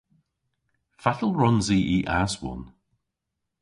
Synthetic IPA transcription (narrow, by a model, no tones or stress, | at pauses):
fatəlˠɹɔnziːʔiʔaswʊ̰n